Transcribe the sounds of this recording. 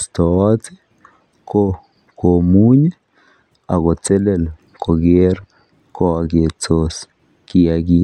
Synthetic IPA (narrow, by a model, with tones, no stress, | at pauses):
st̪o˨˦t͡se˦ | ko˦ | ko˨mu˦ɲe˦ | a˨ɣo˨t͡se˦le˨l | kʰo˨ɡe˦ɾ | kʰo˦a˨ɡe˨t͡so˦s | kia˨ɡi˦